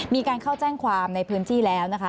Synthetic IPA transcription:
miː˧kaː˧nkʰaː˥˩wt͡ɕɛː˥˩ŋkʰwaː˧mna˧jpʰɯː˦˥nt̪ʰiː˥˩lɛː˦˥wna˦˥kʰa˦˥

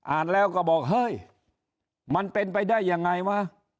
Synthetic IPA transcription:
ʔaː˨˩nlɛː˦˥˩wkɔː˧˩bɔː˨˩k̚ɦɤː˧˥˩j | ma˧˥npe˧npa˧jdaː˥˩jːa˧ŋːa˧jwaː˧˥˨

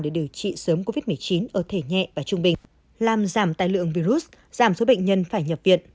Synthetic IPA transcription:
ɗe˧˩ɗi˨˧˩əwt͡ɕḭ˧˨səː˨˦mko˧vi˦˥t̚mɨ˨˩əjt͡ɕi˨˦nʔəː˧˩t̪ʰe˧˩ɲɛ̰˧˨vaː˨˩t͡ɕʊ˧ŋ͡mɓï˨˩ŋ̟ | laː˨˩mzaː˧˩mt̪a̰ː˧˨jlɨ̰˧˨əŋvi˧ɾu˦˥t̚ | z̥aː˧˩mso˨˦ɓə̰˧˨ŋ̟ɲə˧nfaː˧˩jɲə˨˩p̚vḭ˧˨ən

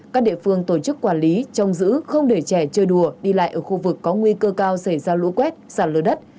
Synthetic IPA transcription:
kaː˦˥k̚ɗḭ˧˨əfɨ˧əŋt̪o˧˩t͡ɕɨ˦˥kːwaː˧˩nli˨˦t͡ɕɔ˧wŋ͡mzɨ̰˧˥xə˧wŋ͡mɗe˧˩t͡ɕɛ˧˩t͡ɕəː˧˩jɗu˧˩əɗi˧la̰ː˧˨jʔəː˧˩xu˧vɨ˨˩kːɔ˨˦ŋwi˧kəː˧kaː˧wsə˧˩jzaː˧lṵ˧˥kwɛ˦˥t̚zaː˧˩nləː˨˦ɗə˦˥t̚

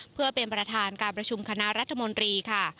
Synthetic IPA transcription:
pʰɯ˥˩ɐpe˧npɾa˧t̪ʰaː˧nkaː˧npɾa˧t͡ɕʰu˧mkʰa˧na˦˥ɾa˦˥t̪ʰːa˧mo˧nt̪ɾiː˧kʰa˥˩

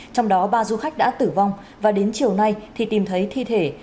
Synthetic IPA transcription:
t͡ɕɔ˧wŋ͡mɗɔ˨˦ɓaː˧zu˧xa˦˥k̟̚ɗa̰ː˧˥t̪ɨ˧˩va˧wŋ͡m | vaː˨˩ɗe˨˦nt͡ɕi˨˩əwna˧jt̪ʰi˨˩t̪i˨˩mt̪ʰə˨˦jt̪ʰi˧t̪ʰe˧˩

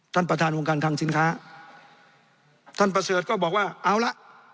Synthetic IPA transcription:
t̪ʰa˥˩npɾa˧t̪ʰaː˧nʔoː˧ŋkaː˧nt̪ʰaː˧ŋsi˧˦nkʰaː˦˥ | t̪ʰa˥˩npɾa˧sɤː˨˩t̪̚kɔː˥˩bɔː˨˩k̚waː˥˩ʔa˧˩wla˦˥ʔ

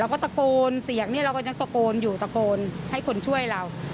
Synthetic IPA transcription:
a˧wkɔː˥˩t̪a˧koː˧nsi˨˩˦əŋ̚niː˦˥˩ɾa˧wkɔː˥˩ɲa˧˥ŋt̪a˧koː˧njuː˨˩t̪a˧koː˧nha˥˩jkʰo˧nt͡ɕʰu˥˩əjɾa˧w

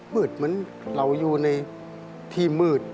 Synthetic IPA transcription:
mɯː˨˩t̪̚ma˧˥˨n | la˧˩wjuː˨˧˩na˧j | t̪ʰiː˧mɯː˨˩t̪̚

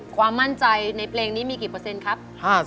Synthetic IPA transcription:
kʰwaː˧mːa˥˩nt͡ɕa˧jna˧jpʰleː˧ŋniː˦˥miː˧ki˨˩pɤː˧se˧nkʰa˦˥p̚haː˥˩

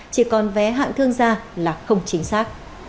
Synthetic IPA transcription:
t͡ɕi˧˩kɔ˨˩nvɛ˨˦ɦa̰ː˧˨ŋt̪ʰɨ˧əŋzaː˧laː˨˩xə˧wŋ͡mt͡ɕï˨˦ŋ̟saː˦˥k̚

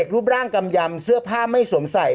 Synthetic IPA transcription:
k̚ɾuː˦˥˩p̚ɾaː˥˩ŋka˧mja˧msɯ˥˩ɐpʰaː˥˩ma˥˩jso˩˦msa˨˩j

